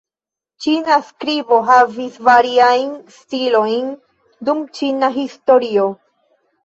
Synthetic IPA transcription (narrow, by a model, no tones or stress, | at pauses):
t͡ʃinaskɾibo̞ɦavisvaɾiajnstilo̞jn | dumt͡ʃinaɦisto̞ɾio̞